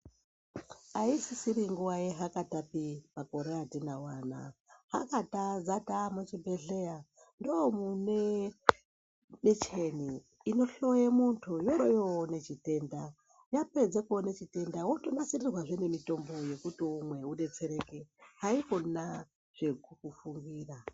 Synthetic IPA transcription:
aisisiɾiŋɡuwaje̞ɦakatapimako̞ɾeatinawaːna̰ha̰katazatamut͡ʃibʱe̞ɮe̞ja | ndoomune | mit͡ʃe̞niː | no̞ɬo̞jemuntʰujo̞ɾojewone̞t͡ʃite̞ːnda | jape̞d͡zekonet͡ʃite̞ndawotonasirirwaʐene̞mito̞mbo̞je̞kutiumwe̞uɗe̞t͡se̞ɾe̞keɦaikona | ʐ̥e̞kukufuŋɡiːra

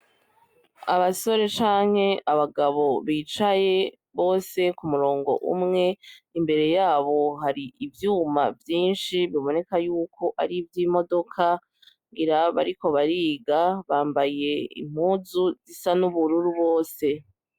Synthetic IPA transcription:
a̰βaso̞ɾe̞t͡ʃaːŋ̥he̞ʔaβaɡaβo̞βiːt͡ʃaje̞ | βo̞ːse̞kumuɾo̞ːŋɡo̞̰ʔṵmŋe̞imbe̞ɾe̞jaːβo̞ɦaɾiivjuːma̰vjiːnʃiβiβo̞ne̞kajuːko̞ʔaɾivjimo̞do̞kʰa | ŋɡiɾaβa̰ɾiko̞βaɾiːɡaβaːmbaje̞ḭm̥huːzuzisanuβuɾuɾuβo̞ːse̞

